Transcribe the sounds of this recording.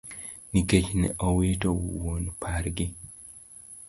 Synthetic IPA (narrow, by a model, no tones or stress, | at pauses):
niket͡ʃnɛ̰ʔɔwitowwonpʰaɾɡɪ